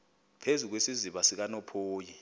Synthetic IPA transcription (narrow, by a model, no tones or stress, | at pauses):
pʰezuk̬wesiziɓasik̬anɔpʰoːji